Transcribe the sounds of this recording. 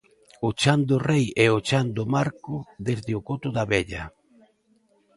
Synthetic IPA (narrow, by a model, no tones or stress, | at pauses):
ʊt͡ʃand̪ʊrejɛot͡ʃand̪ʊmaɾkʊðezðɪʊkot̪ʊðaβeʎa̰